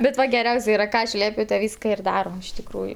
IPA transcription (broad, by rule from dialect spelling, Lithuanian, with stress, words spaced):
bʲɛt ˈʋɐ ɡʲɛˈrʲɛʊsʲ ˈiːrɐ ˈkɑː ɐʃ ˈlʲiɛpʲʊ tɐ ˈʋʲiːskɐ ɪr ˈdɑːroːm ɪʃ tʲɪkˈruːjʊ